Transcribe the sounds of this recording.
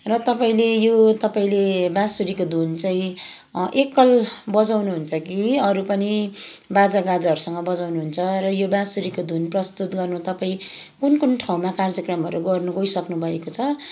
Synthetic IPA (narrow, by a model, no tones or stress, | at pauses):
rʌt̪ʌpaĩlejot̪ʌpaĩlebãsuɾikod̪ʱunt͡saĩ | ʔekːʌlbʌd͡zawnuɦunt͡sʰʌkiʌɾupʌni | bad͡zaɡad͡zaʌɾusʌŋɡʌbʌd͡zawnuɦunt͡sʰʌrʌjobãsuɾikod̪ʱunprʌst̪ut̪̚ɡʌrnut̪ʌpaĩ | kunkunʈʰaw̃makard͡zʌkrʌmʌɾuɡʌrnuɡʌisʌknubʱʌekot͡sʰʌ